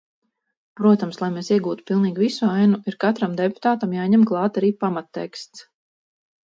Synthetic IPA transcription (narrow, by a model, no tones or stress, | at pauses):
pɾuɔt̪amslˠajmesiɛɡuːt̪u̥pilˠniːɡʲvisuajnuʔiɾkat̪ɾamd̪ɛpu̥t̪aːt̪amjaːɲɛmklˠɑːt̪aɾiːpamat̪ːɛ̰kst̪s